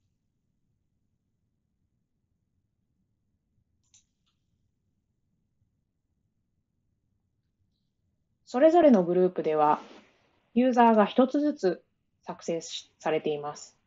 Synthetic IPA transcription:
so̞ɾe̞zo̞ɾe̞no̞ɡɯ̟ɾɯ̟ːpɯ̟d̪e̞β̞a | jɯ̟ːzaːɡaçi̥t̪o̞t͡sɨzɨt͡sɨ | sakɯ̟se̞ssaɾe̞t̪e̞imasɨ̥

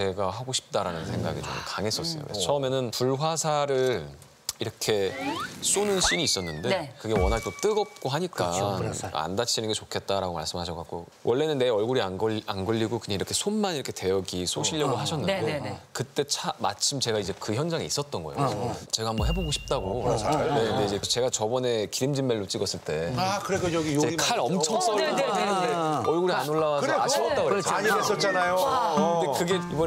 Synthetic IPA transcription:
e̞ɡaɦaɡoɕʰi̥p̚t͈aɾanɯnsʰe̞ŋɡa̰ɡit͡ɕo̰mkaŋɦe̞s͈ʌs͈ʌjo̰kɾest͡ɕʰʌɯmenɯnpuɭɦwasʰaɾɯɭ | iɾʌkʰe̞s͈onɯnɕ͈iniːs͈ʌnːɯndekɯɡe̞wʌnɦaɭt͈ot͈ɯɡʌp̚k͈oɦaɲikk͈a̰ | a̰ndat͡ɕʰinɯnɡet͡ɕokʰe̞t̚t͈aɾaɡoma̰ɭs͈ɯmɦhaɕʰʌkak͈o̰ | wʔʌɭːe̞nɯnːe̞ʌɭɡuɾiaɡanɡɯʎːiɡokɯɲaiɾʌkʰe̞sʰonmaniɾʌkʰete̞jʌɡisʰoɕʰiʎːʌɡoɦaɕʰʌnːɯekɯt͈e̞t͡ɕʰamat͡ɕʰimt͡ɕe̞ɡaid͡ʑe̞kɯçjʌnd͡ʑaŋiis͈ʌt̚t͈ʌnɡʌejot͡ɕe̞ɡaɦambʌnɦe̞boɡoɕʰi̥p̚t͈aɡoneɯnde̞id͡ʑe̞t͡ɕe̞ɡat͡ɕʌbʌne̞kiɾimd͡ʑimːeɭːot͡ɕ͈iɡʌs͈ɯɭt͈e̞akɯɾeɡojɡit͡ɕekʰaɾʌmt͡ɕʰʌŋs͈ʌɾedenɯneʌɭɡuɾianoɭːawasaɕʰiʌttt͈aɡoaɲies͈ʌt͡ɕ͈anajoɯdekɯɡeibʌ

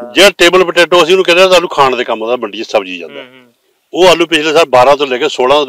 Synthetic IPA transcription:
d͡ʒeːaʈeːbəlpəʈeːʈoːəsĩːnũːkɛːɾeaːt̪aːnũːkʰaːɳd̪eːkəmːoːd̪aːməɳɖiːsəbd͡ʒiːd͡ʒã̰ːnd̪a̰ː | oːaːlũːpɪt͡ʃʰleːsaːbaːɾãːt̪̬õːlɛːkeːsoːlãː

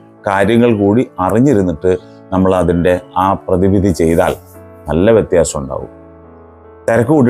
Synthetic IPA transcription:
kaːɾjɐŋːɐɭkuːɽiɐriɲːiɾunːiʈːɨ | nɐmːɐɭɐðinde̞aːprɐðibid̪ʱit͡ɕe̞jt̪a̰ːl | nɐlːɐʋjet̪jaːsɐmuɳɖa̰ːɣṵm | t̪ɐɾɐkːuuɖ

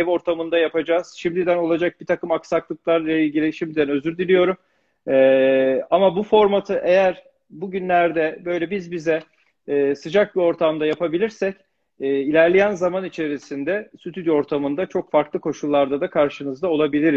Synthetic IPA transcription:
evo̞ɾt̪ʰamɯnd̪ajapad͡ʒaːz̥ʃimd̪id̪æno̞lˠad͡ʒak̚b̥it̪ʰakɯmaksaklˠɯklˠaɾlailɡɟilʲiʃimd̪id̪ænø̞zyɾd̪ilʲijo̞ɾum | ɛːamabufo̞ɾmat̪ʰɯʔe̞jæɾ | buɟynlʲæɾd̪ɛbø̞jlʲɛbizbizɛː | sɯd͡ʒak̚bio̞ɾt̪ʰamd̪ajapʰabilʲiɾsɛc | ɛːilʲæɾlʲejænzamanit͡ʃʰe̞ɾisind̪ɛsyt̪ʰyd̪io̞ɾt̪ʰamɯnd̪at͡ʃʰo̞kfaɾklˠɯkʰo̞ʃulˠːaɾd̪ad̪akʰaɾʃɯnɯzd̪ao̞lˠabilʲiɾiz̥

